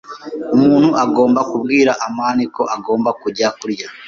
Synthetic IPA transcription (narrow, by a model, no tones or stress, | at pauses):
umuːn̥huʔaɡo̞ːmbakubɡiːɾaʔamaːniko̞ʔaɡo̞ːmbakuɾɟakuɾɟa